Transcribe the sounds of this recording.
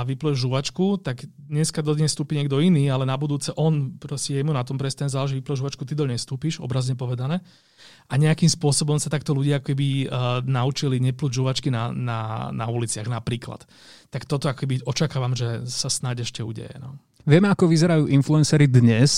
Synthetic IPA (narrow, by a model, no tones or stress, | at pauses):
aʋiplɔʒuʋat͡ʃkut̪aɡd̪ɲɛskad̪ɔd̪ɲɛst̪uːpiɲɛɡd̪ɔiniːalɛnabud̪uːt͡sɛʔɔnpɾɔscɛjɛmunat̪ɔmpɾɛst̪aɛmzaːlɛʒɛʋiplɔʒuʋat͡ʃkut̪id̪ɔɲɛst̪uːpiʒɔ̰bɾazɲɛpɔʋɛd̪anɛː | ʔaɲɛakimspʊɔsɔbɔmsat̪ak̚t̪ɔluɟɪaakɔ̥kɛbinaut͡ʃiliɲɛpluɟʒuʋat͡ʃkinanana̰ulit͡sɪaɣnapɾiːkla̰t̪ː | akt̪ɔt̪ɔakɔkɛbiɔt͡ʃakaːʋamʒɛsasnaɟɛʃcɛṵɟɛ̰jɛ̰nɔ | ʋɪɛmɛakɔʋizɛɾajuːʔinfluɛnsɛɾid̪ɲɛs